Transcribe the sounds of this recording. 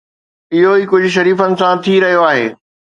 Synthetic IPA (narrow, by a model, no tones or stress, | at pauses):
ɪɦoiːkʊd͡ʑʱʊ̆ʃ̬ɐɾiːfənɪ̆sãt̪ʰiɾɐɦijoaːɦḛː